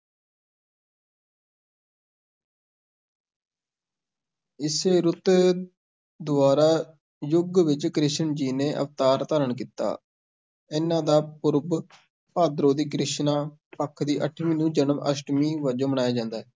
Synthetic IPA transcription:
ɪseːɾʊt̪ | d̪ʊaːɾaː | jʊɡʋɪt͡ʃkɾɪʃəɳd͡ʒiːneːʔə̰ft̪aːɾt̪aːɾəɳkiːt̪a̰ː | ɪnãːd̪aːpʊɾb | paːd̪ɾõːd̪iːkɾɪʃnaːpəkʰːd̪iːʔəʈʰːmiːnũːd͡ʒənəmʔəsʈmiːʋəd͡ʒõːbəɽaːjaːd͡ʒãːnd̪aːɦɛː

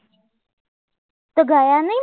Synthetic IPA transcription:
t̪əɡajani

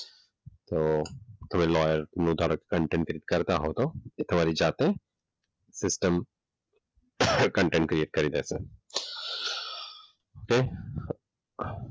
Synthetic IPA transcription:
t̪oːt̪ɐmẽlɔːjəɾnuːd̪ʱaːɾəke̥kɐ̃ɳʈẽːɳʈkɾieːʈ̚kɐɾt̪aɦot̪oet̪ʰɐmaːɾid͡ʒaːt̪eɦɛ̃ | sɪsʈəm | kə̃ɳʈẽːɳʈ̚kɾieːʈ̚kɐɾiːd̪ɛːse | oːke

